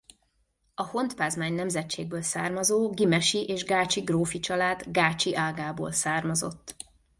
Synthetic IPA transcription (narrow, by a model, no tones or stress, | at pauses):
ɒho̞nt̪paːzmaːɲnɛmzɛtt͡ʃːḛːɡ̚bøːlsa̰ːrmɒzoːɡimɛʃiʔeːʒɡaːt͡ʃiɡroːfit͡ʃɒlaːd̪ɡaːt͡ʃiʔaːɡaːbo̰ːlsaːrmɒzo̞̰t̪ː